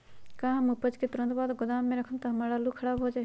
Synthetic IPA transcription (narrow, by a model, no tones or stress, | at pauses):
kãːɦmupəd͡ʒket̪ʊɾə̃nt̪baːd̪ɡʊd̪aːmːẽɾɐkʰənt̪ɐɦmaːɽalukʰɐɽaːbɦoːd͡ʒa